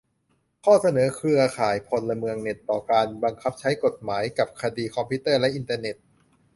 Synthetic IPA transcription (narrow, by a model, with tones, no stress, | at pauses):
kʰɔː˥˩sa˧nɤː˩˦kʰɾɯ˧ɐkʰaː˨˩jpʰo˧nla˧mɯ˧əŋne˨˩t̪ːɔː˨˩kaː˧nba˧ŋkʰa˦˥p̚t͡ɕʰa˦˥jko˨˩t̪̚maː˩˦jka˨˩p̚kʰa˧diː˧kʰɔ˧mpʰiː˦˥t̪ɤː˥˩lɛ˦˥ʔi˧nt̪aː˧ne˨˩t̪̚